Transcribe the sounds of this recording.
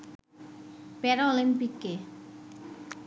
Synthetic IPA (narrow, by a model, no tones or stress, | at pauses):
pɛɾɔlimpikːe